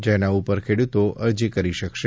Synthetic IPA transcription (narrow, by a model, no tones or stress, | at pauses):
d͡ʒenaupəɾkʰeɽut̪oʔəɾd͡ʒikəɾiʃəkʃe